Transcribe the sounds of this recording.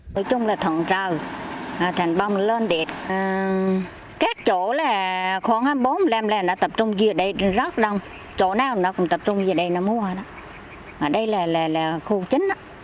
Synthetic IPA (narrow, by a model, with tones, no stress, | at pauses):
no˨˧˦jt͡ɕʊ˧ŋ͡mlaː˨˩t̪ʰwə̰˧˨nt͡ɕəː˨˩wa˨˩t̪ʰa˨˩jŋɓa˧˩wŋ͡mləː˧nɗi˨˩ət̚ | kaː˦˥k̚t͡ɕo˧˩˨laː˨˩xɔ˧˦nhaː˧mɓo˨˦nlɛː˧˩mlɛː˨˩nɔ̰˧˥t̪ə˨˩p̚t͡ɕʊ˧ŋ͡mzi˧˩ə˨ɗə˧˩jzə˦˥k̚ɗə˨˧˩wŋ͡m | t͡ɕo̰˧˥naː˨˧˩wnɔ˨˦kʊ̰˧˥ŋ͡mt̪ə˨˩p̚t͡ɕʊ˧ŋ͡mzi˧˩ə˩ɗə˧jnɔ̰˧˦mu˧əhaː˨˩ɗɔ˧˦ | maː˨˩ɗə˧jlaː˨˩laː˨˩laː˨˩xu˧t͡ɕï˨˦ŋ̟ʔa˧˦